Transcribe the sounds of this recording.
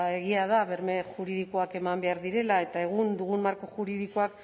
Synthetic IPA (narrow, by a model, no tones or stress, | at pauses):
e̞ɣ̞iaðaβe̞ɾmexuɾiðikoake̞mambe̞aɾðiɾe̞lae̞t̪ae̞ɣ̞und̪uɣummaɾkoxuɾiðikoak̚